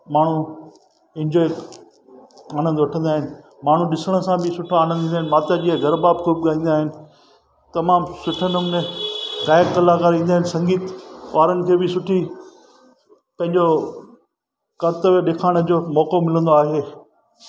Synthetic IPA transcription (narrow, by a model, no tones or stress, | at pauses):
maːɳ̤u | ɪ̃ɲd͡ʑɔːɪ | aːnə̃nd̪ʋɐʈʰə̃nd̪aːɦɪnɪ̆ | maːɳ̤ũɗɪsəɽ̃̆sãbɪsʊʈʰaaːnə̃nʱĩːaːɦɪnmaːt̪jad͡ʑiːɦaɡʱɐɾbaːb̚kʰubɠaːĩːnd̪aːɦɪnɪ̆ | t̪ɐmaːmsʊʈʰənəmnẽkaːəkkɐlakaːɾĩːnd̪aːɦɪnɪ̆sɐ̃ŋɡiːt̪ʋaːɾənɪ̆kʰeːbɪsʊʈʰi | pɐ̃ɦɪ̃ɲd͡ʑo | kɐɾt̪əʋɗeːkʰaːɽ̃ə̆d͡ʑoːmɔːkomɪlə̃nd̪oaːɦeː